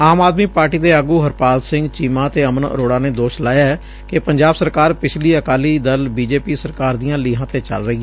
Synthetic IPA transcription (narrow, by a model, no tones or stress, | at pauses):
aːmaːd̪miːpaːɾʈiːd̪eːəːɡuːɦəɾpaːlsɪ̃ŋɡt͡ʃiːmãːt̪eːəmənə̰ɾoːɽaːneːd̪oːʃlaːjaːɛ | kepəɲd͡ʒaːbsəɾkaːɾpɪt͡ʃʰliːəkaːliːd̪əlbiːd͡ʒeːpiːsəɾkaːɾd̪iːjãːliːɦãːt̪eːt͡ʃə̰lɾəɦiːaː